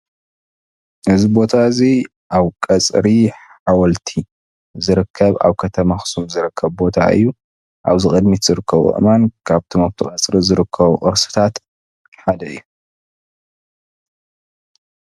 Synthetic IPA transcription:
ʔɨzibo̞t̪ʰazi | ʔaβkʼɐt͡sʼɾiħ | awɔlt̪ʰi | zɨɾɨkʰːɐβa̰βkʰɐt̪ʰɐmaxsumzɨɾɨkʰːɐβbo̞t̪ʰa̰ʔɨ̰jːu | ʔa̰βzikʼɨd̪mit̪z̥ɨɾɨkʰːɐβuʔʔɨmankʰaβt̪ʰumaβt̪ʰɨkʼɐt͡sʼɾizɨɾɨkʰːɐβuʔʼɨɾsɨ̥t̪ʰat̪ | ħad̪ɐɨjːu

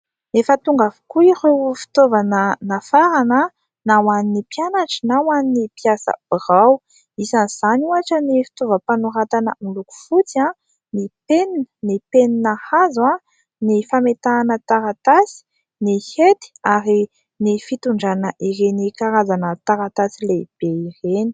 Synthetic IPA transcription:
nefət̪uŋɡavu̥kuiɾweufi̥t̪ovanənafaɾanə | nawaninipjanaʈ͡ʂə̥nawaninipijasə̰b̥iraw | isaniz̥anuaʈ͡ʂənifi̥t̪ovəpanuɾat̪anəmiluku̥fut͡siã | nipeninə̥nipeninəhazwã | nifamet̪aːnət̪aɾat̪asi̥ | nihet̪i̥aɾi | nifit̪uɳɖ͡ʐanəʔiɾenikaɾazanət̪aɾat̪asileb̥eireni̥

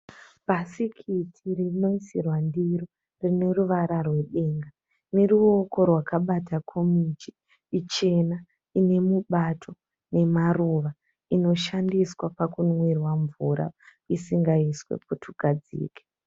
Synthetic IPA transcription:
b̥ʱasikʰitʰirino̞isirwandiɾo | rine̞ruʋaɾarwe̞ɗeːŋɡa | ne̞ɾuo̞ko̞rwakaɓatʰakʰomit͡ʃiː | t͡ʃe̞na | ine̞muɓatʰo̞ | ne̞maruʋa | ino̞ʃandiswapakunwirwaɱvuɾa̰ | isiŋɡaiswḛputʰuɡ̥ʱad͡zḭːke̥

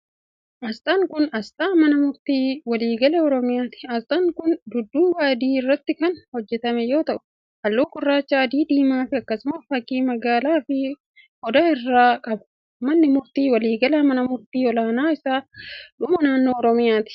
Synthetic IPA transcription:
ʔɐst̪aŋkʊnɐst̪aːmɐnɐmʊɾt̪iːwɐliːɡɐleɔɾɔmɪjaːt̪ɪ̥ɐst̪aŋkʊnd̪ʊd̪ːuːwaːd̪iːɪrːɐt̪ːɪkɐnhɔd͡ʒːɛt̪ɐmɛjo̞ːt̪ɐʔʊ̥ | hɐlːoːkʊrːaːt͡ʃːaːɐd̪iːd̪iːmaːfɪɐkːɐsʊmɐfɐkːiːmɐɡaːlaːfɪ | hɔd̪ɐɪrːaːkʼɐbʊ̥ | mɐnːɪmʊɾt̪iːwɐliːɡɐlaːmɐnɐmʊɾt̪iːɔlaːnaːɪsaːᶑʊmɐnaːnːoːɾɔmɪjaːt̪ɪ̥

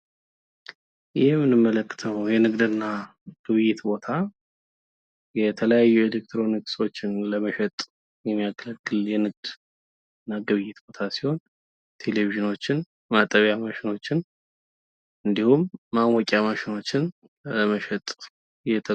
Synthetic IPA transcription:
jɪhmːɨnːɨmːələkːɨ̥t̪ʰəwjɛnɨɡd̪ɨnːa | ɡ̥ɨβɨjɪt̪bo̞t̪ʰa | jɛt̪ʰələjajːue̞lek̚t̪ʰɾo̞nikso̞t͡ʃːɪnləməʃɛt̪ʼ | jɛmːijakʰːələkːɨljɛnɨɡ̚d̪ | ɨnːaɡɨβɨjɪt̪bo̞t̪ʰasi̥ho̞n | t̪ʰe̞leviʒɨno̞t͡ʃːɪn | mat̪ʼːəβjamaʃɪno̞t͡ʃːɪn | ɨnd̪ihumːamwɔkʼːjamaʃɪno̞t͡ʃːɪn | əməʃɛt̪ʼ | jɛt̪ʰə

